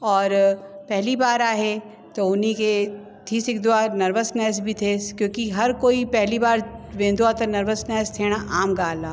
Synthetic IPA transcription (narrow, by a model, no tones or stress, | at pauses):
ɔːɾpɛɦlibaːɾaːɦe | t̪oʊnike | t̪ʰiːsɪkd̪waːɾnɐɾʋəsnɛːs̬bʱit̪ʰekjõːkiɦɐɾkoːipɛɦlibaːɾʋẽːnd̪uaːt̪ɐnɐɾʋəsnɛːst̪ʰeɽ̃aʔaːmɡaːlaː